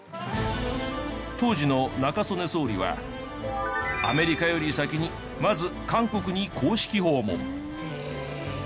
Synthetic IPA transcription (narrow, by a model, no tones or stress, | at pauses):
t̪o̞ːʑino̞nakaso̞ne̞so̞ːɾʲḭβa̰ | a̰me̞ɾʲikajo̞ɾʲisakʲiɲ̟i | mazɨkãŋko̞kɯ̟ɲ̟ikʰoːɕi̥kʲiɦo̞ːmo̰